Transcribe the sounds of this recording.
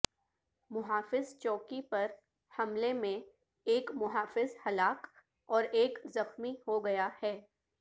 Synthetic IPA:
mʊɦaːfɪzt͡ʃɔːkipɐɾ | hɐmlemẽ | eːkmʊɦaːfɪzhɐlaːk | ɔːɾeːkzɐxmihoɡɐjahɛː

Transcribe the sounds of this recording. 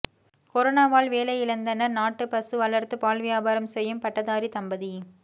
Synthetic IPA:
kɔɾɔnaːʋaːlʋeːlɐɪlɐnd̪ɐnɐnaːʈːɯpɐsɯʋɐɭɐɾt̪ɯpaːlʋɪjaːbaːɾɐmsɛjːɯmpɐʈːɐðaːɾit̪ɐmbɐði

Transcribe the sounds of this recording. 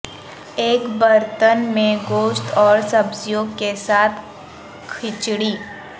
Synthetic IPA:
eːkbəɾt̪ənmẽɡoːʃt̪ɔːɾsɐbzjoːɡ̚kesaːt̪ʰ | kʰɪt͡ʃɽiː

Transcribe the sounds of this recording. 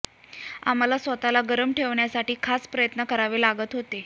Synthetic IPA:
a̰m̤alasʋət̪alaɡəɾəmʈʰeʋɳjasaʈiːkʰaspɾəjət̪nəkəɾaʋeːlaɡət̪ɦot̪e

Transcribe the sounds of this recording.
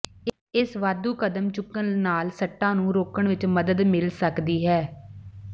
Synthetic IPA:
ɪsʋaːd̪uːkəd̪əmt͡ʃʊkːənnaːlsəʈːãːnũːɾoːkəɳʋɪt͡ʃməd̪əd̪mɪlsəkd̪iːɦɛː

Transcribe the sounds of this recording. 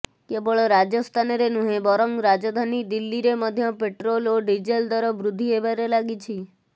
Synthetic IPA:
kebəɭɾad͡ʒəst̪ʰanɾenũɦẽbɔɾɔŋɡɾad͡ʒɔd̪ʱanid̪ilːiɾeməd̪ʱjəpeʈɾoloɖid͡ʒeld̪ɔɾɔbɾud̪ʱːiebaɾelaɡit͡ʃʰi

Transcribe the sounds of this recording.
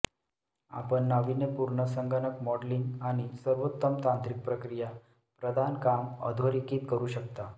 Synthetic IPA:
a̰pəɳːaʋinepuɾɳəsəŋɡənəkmɔɽliŋɡañisəɾʋot̪ːəmt̪ãnt̪ɾik̚pɾəkɾija | pɾəd̪ʱankamə̰d̪ʱoɾikiːt̪kəɾuːɕəkt̪a

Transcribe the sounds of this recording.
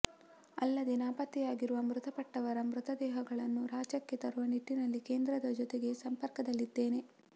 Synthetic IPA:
ɐ̰lːɐd̪e̞naːpɐt̪ːijaːɡiɾuʋɐmɾut̪ɐpɐʈːɐʋɐɾɐmɾut̪ɐd̪ɛːɦɐɡɐɭɐnːuɾaːt͡ʃɐkːe̞t̪ɐɾuʋɐniʈːinɐlːikeːnd̪ɾɐd̪ɐd͡ʒɔt̪eɡe̞sɐmpɐɾkɐd̪ɐlːid̪ːeːne̞

